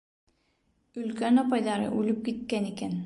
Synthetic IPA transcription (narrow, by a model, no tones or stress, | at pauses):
ɵlkønɑpɑjd̪ɑɾɯ̰ʔʉlyp̚kit̪̚kɛniken